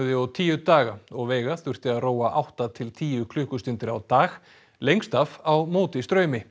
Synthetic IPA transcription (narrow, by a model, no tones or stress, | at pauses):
ðɪɔt̪ʰiːjʏt̪aːɣaɔɣvɛːɣaθʏr̥t̪ɪaðroːwaʔawht̪at̪ʰɪlt̪ʰiːʏkʰlʏːhkʏst̪ɪnt̪ɪɾawt̪aːx | lejŋst̪afawmoːwt̪ɪst̪ɾœːɥmɪ